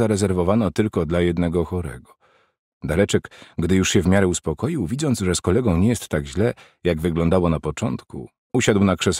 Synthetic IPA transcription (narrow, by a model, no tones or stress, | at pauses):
aɾɛzɛɾvɔvanɔt̪ɘlkɔd̪lajɛd̪nɛɡɔxɔɾɛ̰ɡɔ | d̪alɛt͡ʂɛkɡd̪ɘjuʂɕɛvmʲjaɾɛuspɔkɔjiwvʲid̪zɔnzʐɛskɔlɛɡɔ̃w̃ɲɛjɛst̪ːaɡʑlɛ | jaɡvɘɡlɔnd̪awɔnapɔt͡ʂɔnt̪kṵ | uɕad̪wnakʂɛs